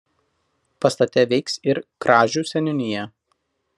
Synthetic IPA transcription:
pɐst̪ɐt̪ʲɛʋʲɛɪksɪɾkɾɑːʒʲuːˑsʲɛnʲɪnʲɪjɛ

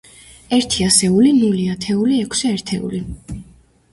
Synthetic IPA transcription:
ɛɾt̪ʰiasɛulinuliat̪ʰɛuliɛkʰsɛɛɾt̪ʰɛṵli

